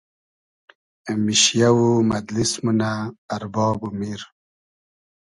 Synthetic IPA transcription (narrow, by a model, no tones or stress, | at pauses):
miɕjawumɐd̪lismunaːɾbɔːbumiɾ